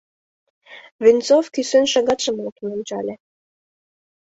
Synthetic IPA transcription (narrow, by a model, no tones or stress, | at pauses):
vint͡sofkysønʃɑɣɑt̪ʃə̆mloknonʲt͡ɕɑ̰lʲe